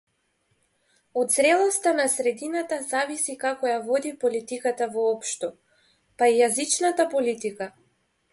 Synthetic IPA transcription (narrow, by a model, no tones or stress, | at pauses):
ɔd̪zɾɛlˠɔst̪anasɾɛd̪inat̪azavisikakɔjavɔd̪ipɔlit̪ikat̪avɔɔpʃt̪ɔ | paijazit͡ʃnat̪apɔlit̪ika